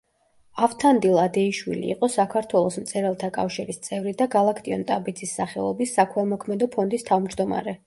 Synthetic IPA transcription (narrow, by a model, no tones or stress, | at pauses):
aft̪ʰand̪ilˠad̪ɛiʃwḭlḭːqʼɔsakʰaɾt̪ʰwɛlˠɔsmt̪sʼɛɾɛlˠt̪ʰakʼafʃiɾist̪sʼɛvɾid̪aɡalˠakʰt̪ʼiɔ̰nt̪ʼabid̪zisːaχɛ̰lˠɔbisːakʰwɛlˠmɔkʰmɛd̪ɔpʰɔnd̪ist̪ʰavmd͡ʒd̪ɔma̰ɾɛ